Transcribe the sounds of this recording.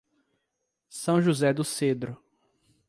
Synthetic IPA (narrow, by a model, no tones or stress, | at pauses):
sɐ̃w̃ʒuzɛd̪ʊsed̪ɾʊ